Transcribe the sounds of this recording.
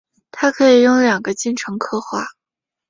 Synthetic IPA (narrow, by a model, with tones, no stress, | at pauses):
t̪ʰa˥kʰɤ˧˥i˨˩jʊ˥˩ŋljɑ˨˩ŋɡə˦t͡ɕi˥˩nʈ͡ʂʰɤ˧˥ŋkʰɤ˥˧xwa˥˩